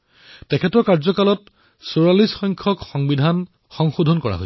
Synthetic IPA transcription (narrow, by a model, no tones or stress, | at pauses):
tɛkʰɛtɔɹkaɹzɔkalɔt | soɹalisxɔjŋkʰɔkxɔŋbidʱan | xɔŋxodʱɔnkɔɹa̰ɦo̰